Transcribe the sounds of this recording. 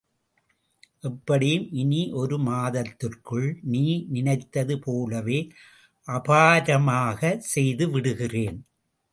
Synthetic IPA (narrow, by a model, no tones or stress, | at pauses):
ʔɛpːɐɽɪjɯmʔɪniʔɔɾɯmaːðɐt̪ːɪrkɯɭniːnɪnɐɪt̪ːɐðɯpʰoːlɐʋeː | ʔɐpaːɾɐmaːɣɐsɛjðɯʋɪɽɯɣɪreːn